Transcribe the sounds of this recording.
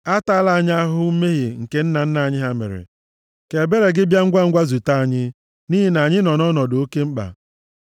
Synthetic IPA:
a˦ta˦la˨a˨ɲa˦a˦ɦʊ˦m̩˦me˦ɦe˨ŋ̩˨ke˦n̩˦na˨n̩˦na˨a˨ɲɪ˦ɦa˦mḛ˨ɾɪ̰˨ | ke˨be˦ɾe˨ɡɪ˦bja˦ŋ̩˦ɡʷa˦ŋ̩˦ɡʷa˦zu˨ta˦a˨ɲɪ˦ | ni˦ɦi˦na˨a˨ɲɪ˦nɔ˨nɔ˦nɔ˨do˦ke˦m̩˦k͡pa̰˨

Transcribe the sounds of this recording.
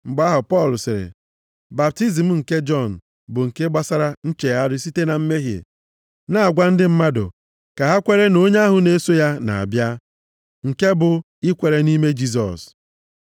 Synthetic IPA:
m̩˨ɡ͡ba˦ɦʊ˨pɔ˦˨lsɪ˨ɾḛ˨ | ba˨p̚ti˦zi˨m̩˦ŋ̩˨ke˦d͡ʒɔ˦˨n̩˨ | bʊ˨ŋ̩˨ke˦ɡ͡ba˦sa˦ɾa˦n̩˦t͡ʃe˨ja˦dʊ˦si˦te˦na˨m̩˦me˦ɦjḛ˨ | na˦a˨ɡʷa˦n̩˦dɪ˦m̩˦ma˦dʊ̰˨ | ka˨ɦa˦kʷe˦ɾe˦no˦ɲe˦a˦ɦʊ˨ne˦so˦ja˦na̰˨a̰˨bja˦ | ŋ̩˨ke˦bʊ˨ | ɪ˦kʷe˨ɾe˨ni˦me˦d͡ʒi˦s̬ɔ̰˨s

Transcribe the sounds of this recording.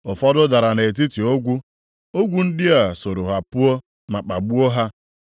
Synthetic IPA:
ʊ˨fɔ˦dʊ˦da˨ɾa˨ne˨t̬i˦ti˨o˦ɡʷu˦ | o˦ɡʷu˦n̩˦dɪ˦a˨so˨ɾʊ˨ɦa˨pʊ˦ɔ˦ | ma˨k͡pa˨ɡ͡bu˦o˦ɦa˦

